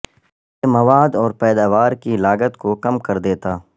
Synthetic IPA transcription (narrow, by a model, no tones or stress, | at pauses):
jemɐʋaːd̪ɔːɾpɛːd̪aːʋaːɾkilaːɡət̪kokɐmkɐɾd̪eːt̪aː